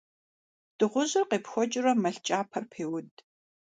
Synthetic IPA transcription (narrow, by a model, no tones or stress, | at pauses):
d̥ɨʁʷʊʑɪrqeːpxʷɔt͡ʃʼɪrɐmɐɬt͡ʃʼaːpʰɐrpʰeːwʊd